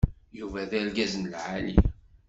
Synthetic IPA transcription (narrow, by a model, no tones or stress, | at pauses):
juvæðælɡæzənəlʕalḭ